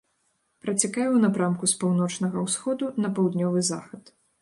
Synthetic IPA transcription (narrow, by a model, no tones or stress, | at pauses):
pɾɐt͡sʲakajɛwnapɾamkuspawnɔt͡ʂnɐɣɐwsxɔd̪unɐpɐwd̪nʲɔvɨza̰xɐt̪